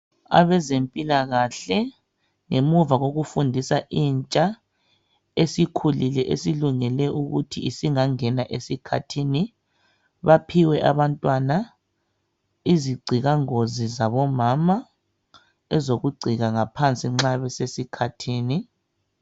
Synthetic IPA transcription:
a̰βɛzempʼilaɣaɬɛ | ŋemuvaɣoɣufundʱisaʔiːnt͡ʃʼa | esikʰulilɛʔesiluŋɛlɛʔuɣutʰiːsiŋaŋɛnaʔesikʰatʰiːni | βapʰiwɛʔaβantʼwana | iziɡ͡ǀʱiɣaŋozizaβɔmama | ɛzoɣuɡ͡ǀʱiɣaŋapʰant͡sʼiŋ͡ǁaβɛsesikʰatʰiːni

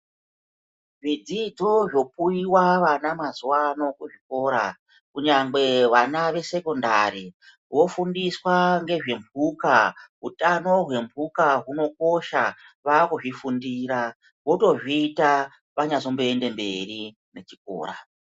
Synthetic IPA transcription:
ʐid͡zid͡zoʐo̞p̚uiwaʋanamazuwano̞kuʐiko̞ːɾa | kuɲaŋɡe̞ʋanaʋe̞se̞kondari | wo̞fundiswaŋɡe̞ʐe̞mbʱukaɦutano̞ɦwe̞mbʱukaɦuno̞ko̞ʃa | ʋaːkuʐifundiːɾa | wo̞to̞ʐiːta | ʋaɲazo̞mbeende̞mbe̞̰ri | ne̞t͡ʃik̚o̰ːra̰

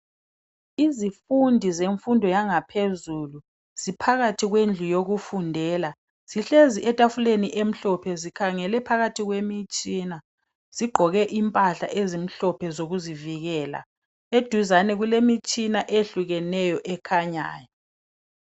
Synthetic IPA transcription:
izifundʱizeɱfundʱɔjaŋapʰezulu | z̥ipʰaɣatʰiɣwend͡ɮʱujoɣufundʱɛːla | z̥iɬeziʔɛtʼafuleniʔem̩ɬɔpʰɛzikʰaŋɛlɛpʰaɣatʰiɣwemit͡ʃʼina | z̥iɡ͡ǃʱɔɣɛʔimpʼaɬa̰ʔezim̩ɬɔpʰɛzoɣuziviɣɛla̰ | ed̥ʱuzanɛɣulemit͡ʃʼinaʔeɬuɣɛnɛjɔʔɛkʰaɲa̰ːjɔ

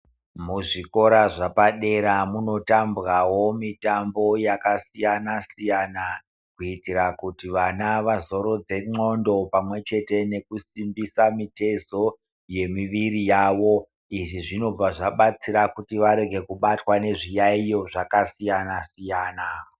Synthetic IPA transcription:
muʐiko̞ɾaʐapaɗe̞ɾamuno̞tambɣawo̞mitambo̞jakasijanasijana | kuitirakutiʋanaʋazo̞ɾo̞d͡ze̞ŋ͡ǃo̞ndo̞pamwe̞t͡ʃe̞te̞ne̞kusimbisamite̞zo̞ | je̞miʋirijaːʋo̞ | iʐiʐino̞b͡vaʐaɓat͡siɾakutiʋaɾe̞ɡʱe̞kuɓatwane̞ʐijaijoʐakasijanasijaːna

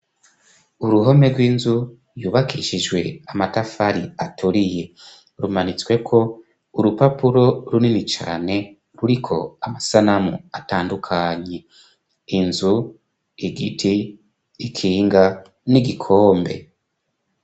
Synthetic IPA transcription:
uɾuɦo̞me̞ɾɡwiːnzu | juːβakʰiʃiʒɡwe̞amatafaɾiatʰuɾije̞ | ɾumanit͡swe̞kʰo̞ | uɾupapuɾo̞ɾuninit͡ʃa̰ːne̞ | ɾuɾikʰo̞̰amasanamuataːndukʰaːɲe̞ | inzu | iɡitʰiː | kʰiːŋɡa | niɡikʰo̞ːmbe̞̰

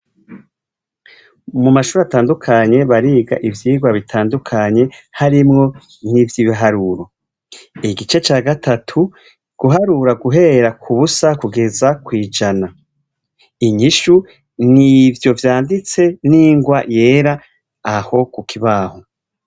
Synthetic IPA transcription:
mumaʃuːɾeataːndukʰaɲe̞βaɾiːɡa̰ʔivjiːɡwaβitʰaːndukʰaɲe̞haɾimŋo̞ | nivjiːβiɦaɾuɾo̞ | iɡit͡ʃe̞t͡ʃaːɡatʰatʰu | ɡ̥uɦaɾuɾaɡuɦe̞ːɾakʰuβusakuɡe̞zakwiːd͡ʒana | iɲiʃu | nivjo̞vjaːndit͡se̞niːŋɡwaje̞ːɾaː | ho̞kukʰiβaːho

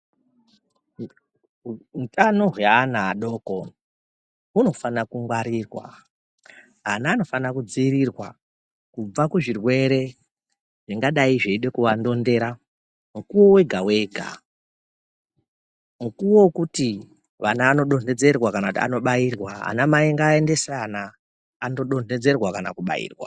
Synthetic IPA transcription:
utanoɦjaːnaɗo̞ːko | uno̞fanakuŋɡwaɾiːrwa̰ | ɦanaːno̞fanakud͡ziːɾirwa | kub͡vakuʐirwe̞ɾe̞ | ʐ̥iŋɡaɗaiʐeiɗe̞kuʋando̞nde̞ːɾa | mukuwo̞we̞ɡʱawe̞ːɡʱa̰ | mukuwokuti | ʋanaːno̞ɗo̞ne̞d͡ze̞rwakanakutia̰no̞ɓairwaa̰namaiŋɡaende̞seanaː | no̞ɗo̞ne̞d͡ze̞rwakana̰kuɓa̰ḭːrwa̰

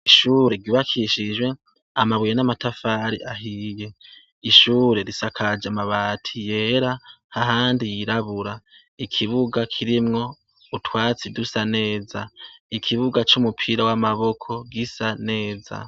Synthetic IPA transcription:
iʃuːɾe̞ɾɡuːβakʰiʃid͡ʒwe̞ | amaβijenamatafaːɾiʔaɦije̞ | iʃuːɾe̞ɾisakʰad͡ʒamaβaːtʰije̞ɾahaɦaːndijiɾaβuɾa | ikʰiβuɡakʰiɾimŋo̞ | utwaːt͡sidusane̞ːzaikʰiβuɡat͡ʃumupʰiɾawamaβo̞kʰo̞ɡisane̞ːza̰

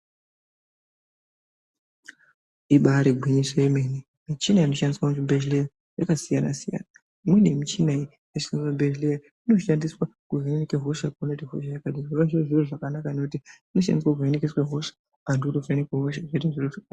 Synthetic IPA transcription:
iɓaɾiɡʱwiɲisojemene | mit͡ʃinaino̞ʃandiswakutibʱeʒleja | jakasijana̰sija̰na | imwenemit͡ʃinai | esiŋabʱed͡ʒleja | ino̞ʃandiswakurenenekeɦo̞ʃakunetiɦo̰ʃajakadiʐiʋaʐirʐiroʐakanakanokutiino̞ʃa̰ndiswak̬urenekeswaɦo̞ʃḁ | anduutofenekeɦoʃaʐeteʐiroʐaka

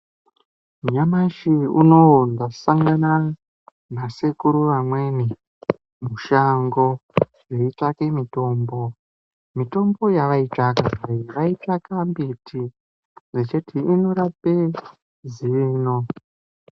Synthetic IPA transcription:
muɲamaʃiuno̞ndasaŋɡana | masekuɾuʋamwe̞ːni | muʃaŋɡo̞ | je̞it͡ʂake̞mito̞ːmbo̞ | mito̞mbo̞jaʋait͡ʂakaiʋait͡ʂakambitʰi | zet͡ʃetʰiino̞ɾape | ziʋiːno

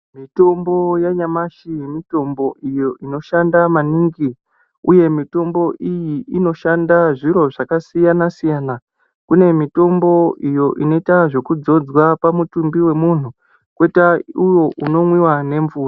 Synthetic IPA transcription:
mito̞mbo̞jaɲamaʃijemito̞mbo̞ʔijo̞ʔino̞ʃandamaniŋɡi | uje̞mito̞mbo̞ʔijiʔino̞ʃandaʐiɾo̞ʐakasijanasijana | kune̞mito̞mbo̞ijo̞ʔino̞itaʐe̞kud͡zo̞d͡zwapamutumbiwe̞mun̤u | kwetaujo̞ʔuno̞mwiwane̞ɱvuːra

